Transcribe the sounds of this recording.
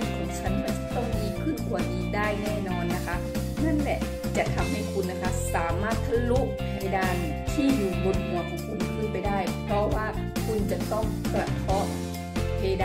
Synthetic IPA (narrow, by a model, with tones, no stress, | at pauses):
kʰɔː˨˦ŋt͡ɕʰa˦˥˨nma˧˩˧t̪ʰɔ˧˩wdiː˧˩kʰɯ˧˥˨nkʰuː˨˩ɐʔiː˨˩k̚daː˥˩jnɛː˧˩˨nɔː˧nːa˦˧kʰa˧˥ | na˦˥˨nlɛ˧ | t͡ɕa˨˩ʔt̪ʰa˧˥mha˧˩jkʰu˧nːa˧kʰa˧˥saː˨˦maː˥˩t̪̚sʰa˧lu˦˧˥ʔ̚ʰ | hʰa˧˩jdaː˧˩n˨˩t̪ʰiː˧˥˨juː˨˩bo˧nhu˨˩˦ɐkʰɔː˨˦ŋkʰu˧˩n˧kʰɯː˧˩˨pa˨jdaː˥˩jpʰɔː˧waː˧˩kʰu˧nt͡ɕa˨˧˩t̪ɔ˧˥˩ŋkɾa˧k̪ʰɔː˧˥˩t̪̚ | hʰe˧da˧